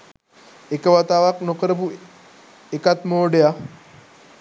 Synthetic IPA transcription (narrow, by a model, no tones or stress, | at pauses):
ekəʋat̪aːʋaknokəɾəbu | ekat̪moːɖeja